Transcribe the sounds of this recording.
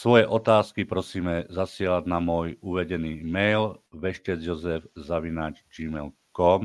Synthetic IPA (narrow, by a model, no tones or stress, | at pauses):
sʋɔjɛʔɔt̪aːskipɾɔsiːmɛzasɪɛlaɟnamʊɔjuʋɛɟɛniːmɛjlʋɛʃcɛd͡zjɔzɛvzaʋinaːt͡ʃd͡ʒiːmɛ̰l | kɔm